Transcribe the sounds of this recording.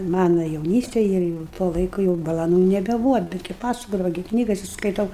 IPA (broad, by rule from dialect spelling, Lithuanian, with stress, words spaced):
ˈmɑːnɐ jɛʊˈnʲiːsʲtʲeːj ˈɪr jɛʊ tuɔ ˈlˠɐɪkʊ jɛʊ bɐlˠɐˈnuː nʲɛbʲɛˈbuːʋɐ ˈbʲæːdʲɡʲɪ ˈpɑːsɐkoːdɐʋɐ ɡʲɪ ˈknʲiːɡɐsʲɪ skɐɪˈtɐʊ